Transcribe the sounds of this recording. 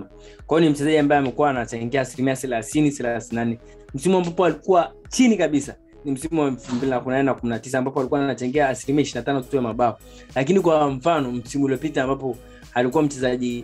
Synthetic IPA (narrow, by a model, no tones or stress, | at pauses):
a | kwajɔnim̩t͡ʃɛzaʄiambajɛamɛkuwaːnat͡ʃaŋɡɛaːsilimiasɛlaθinisɛlaθinanɛ | m̩simuambapɔalikuwa | t͡ʃinikaɓisa̰ | nim̩simuaɛfumbilinakuminanɛnakuminatis̬aːmbapɔalikuwanat͡ʃaŋɡɛaːsilimiaiʃinatanɔtu̥tujamaɓaɔ | lak̬inikwaɱ̩fanɔm̩simuuliɔpitaːmbapɔ | alikuwam̩t͡ʃɛzaʄi